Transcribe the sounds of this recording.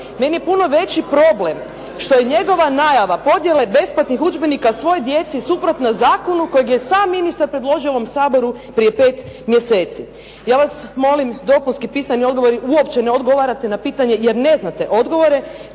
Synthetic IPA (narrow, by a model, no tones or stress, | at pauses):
me̞nijepuno̞ʋe̞t͡ɕipɾo̞ble̞m | ʃt̪o̞jeɲe̞ɡo̞ʋanaːjaʋapo̞d̪je̞le̞be̞splat̪nixud͡ʒbenikasʋo̞jod̪je̞t̪sisupɾot̪nazaːkonuko̞jeɡjesaːmːinist̪aɾpɾe̞d̪loʒioʋo̞msaːbo̞ɾupɾije̞pe̞ːt̪mjese̞ːt̪si | jaːʋasmo̞limd̪o̞punskipiːsanio̞d̪ɡo̞ʋo̞ɾiʔuo̞pt͡ɕeneo̞d̪ɡo̞ʋaɾat̪enapiːt̪aɲe̞jeɾne̞znat̪e̞ʔod̪ɡo̞ʋo̞ɾe̞